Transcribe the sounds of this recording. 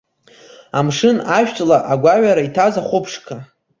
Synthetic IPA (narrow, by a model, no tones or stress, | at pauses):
amʂɨnaʃᶣt͡ʃʼlaʔaɡʷaʕaɾaitʰazaχʷʊpʰʂkʰa